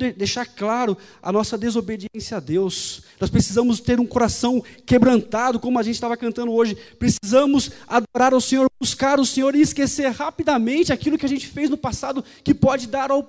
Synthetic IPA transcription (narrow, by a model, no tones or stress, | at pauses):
ed̪ejʃaɾklaɾʊɐ̰nɔsɐd̪ezobed͡ʒiẽsjɐad̪ewsnɔspɾesizɐ̃mʊst̪eɾũkoɾasɐ̃w̃kebɾɐ̃nt̪ad̪ʊkõmʊɐʒẽntt͡ʃɪ̥st̪avɐkɐ̃nt̪ɐ̃nd̪ʊoʒɪpɾesizɐ̃mʊsad̪oɾaɾawsẽɲoɾbuskaɾʊsẽɲoɾɪːskeseɾhapid̪amẽnt͡ʃɪakilʊkɪaʒẽnt͡ʃɪ̥fejznʊpasad̪ʊ | kɪpɔd͡ʒɪd̪aɾaw